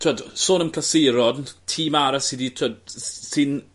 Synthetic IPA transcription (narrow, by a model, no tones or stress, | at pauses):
tʰuad̥soːnəmkʰlasejɾɔdntʰiːmaɾasiditʰuad̚sɪn